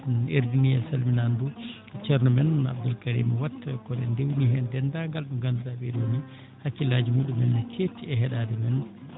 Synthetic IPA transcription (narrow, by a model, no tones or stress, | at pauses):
eɾd͡ʒinijɛlsɐlminandu | t͡ʃɛɾnumɛna̰b̚d̪ulkʼɐɾḭːmwatːkːɔnɛ̰ndewniɦɛndɛndaɡalɗuɡɐnudabedoni | hakːilːaːd͡ʒimuɗumɛnːkʰetːiɛɦɛɗaːdɛmɛn